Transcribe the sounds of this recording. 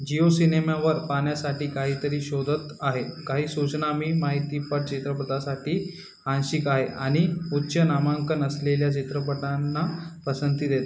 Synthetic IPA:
d͡ʑiosinemaʋəɾpaɳjasaʈiːkaɦiːt̪əɾiːɕod̪ʱət̪aɦekaɦiːsut͡ɕnamiːmaɦit̪iːpəʈ̚t͡ɕit̪ɾəpəd̪asaʈiː | hãnɕikaɦeʔaɽ̃iutːɕənamaŋkənəsleljat͡ɕit̪ɾəp̬əʈanːapəsənt̪iːd̪et̪a

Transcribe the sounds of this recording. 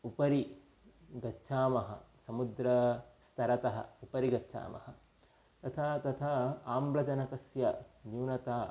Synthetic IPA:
upɐɾi | ɡɐtːʃʰaːmɐɦɐ̰sɐmud̪ɾɐst̪ʰɐɾɐt̪ɐɦɐ̰upɐɾiɡɐtːʃʰa̰ːmɐ̰hɐ | t̪ɐt̪ʰat̪ɐt̪ʰaaːmblɐd͡ʒɐnɐkɐsjɐd͡ʒiːwnɐt̪aː

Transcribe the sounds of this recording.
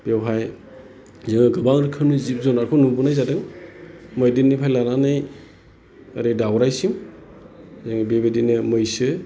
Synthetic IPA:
b̥ewɦaj | zɯŋɯɡɯbaŋɾɯkʰɯnuzip̚zɔnaɾkʰɔnubunajzadɯŋ | mɔjdinːɯpʰajlananɯj | aɾɯdawɾajsim | zɯŋbebedinɯmɯjsɯ

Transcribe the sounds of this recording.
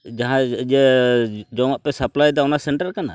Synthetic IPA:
d͡ʒaɦãd͡ʒɛ | d͡ʒɔwaʔpɛsaplajd̪ɛɔnasɛɳʈəɾkana̰

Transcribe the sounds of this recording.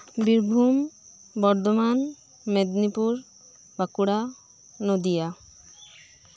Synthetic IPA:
biɾbʱum | bɔɾd̪oman | med̪nipuɾ | bakuɽa | nod̪ija

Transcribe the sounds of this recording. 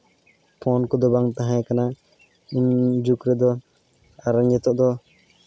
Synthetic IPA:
pʰɔnkɔd̪ɔbaŋt̪aɦãjkana | iɲd͡ʒukɾɛd̪ɔ | aɾaɲɛt̪ɔʔd̪ɔ

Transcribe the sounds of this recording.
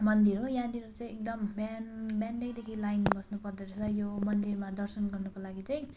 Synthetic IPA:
mʌnd̪iɾojãd̪iɾot͡saĩek̚d̪ʌmbanbjanɖekd̪ekʰilajnbʌsnupʌrd̪eɾsʰʌjomʌnd̪irmad̪ʌrsʌnɡʌrnukolaɡit͡sʌj̃

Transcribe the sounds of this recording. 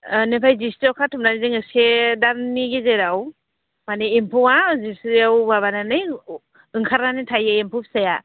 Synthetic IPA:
nepʰajzistawkʰatʰumnanizeŋɯsedaɾniɡezeɾaw | maneːmpʰuwazisɾiawbaβananɯj | ɯŋkʰaɾnanitʰajaempʰupsaja

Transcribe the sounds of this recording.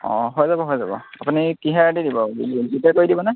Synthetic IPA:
ɔ̰̃ɦojzabɔɦojzabɔ̰apunikiɦaɹadidibɔzitɛkoɹidibɔnaj

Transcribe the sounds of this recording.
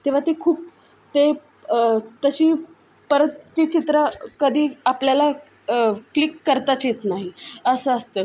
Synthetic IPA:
t̪ĩʋ̤at̪ekʰuːp̚ | t̪e | t̪əɕiː | pəɾət̪ːit͡ɕit̪ɾəkəd̪ʱiːapljala | klikːəɾt̪at͡ɕet̪naɦiəsəəst̪əː

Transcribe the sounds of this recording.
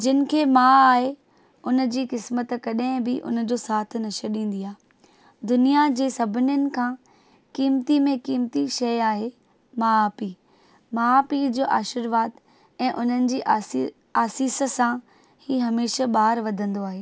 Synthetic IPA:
d͡ʑɪnɪ̆kʰeːmãːaːɦe | ʊnə̆d͡ʑiːkɪsmət̪kɐɗɦɪ̃bɪʔʊ̰nə̆d͡ʑoːsaːt̪ʰɪnɐʃəɾɗĩːn̆d̪iaː | d̪ʊnijad͡ʑeːsɐbʱɪnjʊnɪ̆kʰãː | kiːmt̪imẽkiːmt̪iʃɐjaːɦe | maːpi | maːpid͡ʑoːʔaːʃɪɾʋaːd̪ | ɛ̃ːʔʊn̤ənɪ̆d͡ʑiːʔ | aːsiːsə̆sã | hiːɦɐmeːʃəɓaːɾʋɐd̪ʱə̃nd̪oaːɦeː

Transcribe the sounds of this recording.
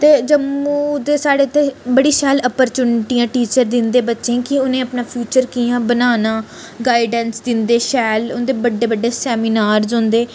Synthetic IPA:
t̪eːd͡ʒəmːuːd̪eːsaːɽeːt̪ʰːeːbəɽiːʃɛːləpəɾt͡ʃuːnʈiːãːʈiːt͡ʃəɾd̪ɪnd̪eːbətːʃẽːkɪʊnẽːəpnãːpʰjuːt͡ʃəɾkiːãːbənaːnãː | ɡaːɪɖənsd̪ɪnd̪eːʃɛːlʊnd̪eːbəɖːeːbəɖːeːsɛːminaːɾzɦʊ̃nd̪eː

